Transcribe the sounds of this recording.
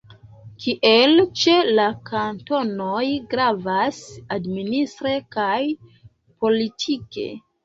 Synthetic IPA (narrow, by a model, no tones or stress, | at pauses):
kʰiʔe̞lt͡ʃe̞lakʰanto̞nojɡɾavasadministɾe̞kaj | po̞litʰike̞̰